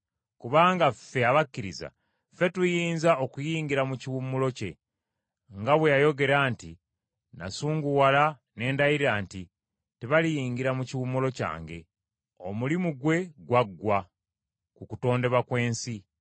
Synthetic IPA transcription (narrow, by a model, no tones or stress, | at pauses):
kuβaːŋɡafe̞aβakːiɾiza̰ | fe̞tujiːnzao̞kujiːŋɡiɾamuciwumːulo̞ce̞ | ŋɡaβwejajo̞ɡe̞ɾaːnti | na̰suːŋɡuwala | ne̞ːndajiɾaːnti | teβalijiːŋɡiɾamuciwumːulo̞ca̰ːŋɡe̞̰ | omulimuɡwe̞ɡwaɡwa | kukuto̞ːnde̞βakwe̞ːnsi